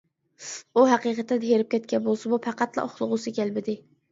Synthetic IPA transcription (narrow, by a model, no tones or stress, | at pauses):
uɦɑqiqɑt̪ʰːɪd̪ɦeɾɪp̚kʲɛt̪̚ʲkʲɛnbolˠsɨbupʰɑqɑt̪lˠɑ̰oχlˠʊʁʊsɪkʲælbɪd̪ɪ